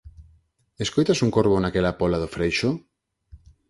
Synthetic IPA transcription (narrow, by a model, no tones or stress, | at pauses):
eskojt̪asuŋkoɾβonakelapolaðofɾejʃo